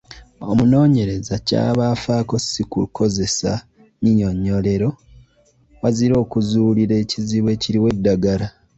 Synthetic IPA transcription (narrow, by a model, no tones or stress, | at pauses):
o̞muno̞ːɲe̞ɾe̞zaca̰ːβafaːko̞sikuuko̞ze̞sa̰ | ɲiɲo̞ɲːo̞le̞ɾo̞ | waziɾo̞ːkuzuliɾe̞ːciziβwe̞ːciɾiwe̞dːaɡaɾa